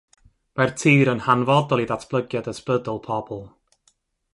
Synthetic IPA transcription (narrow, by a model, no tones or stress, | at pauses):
martʰiːɾənhanvɔdɔlˠiðatʰb̥lˠəɡjadəspədəlˠpʰɔb̥ɔlˠ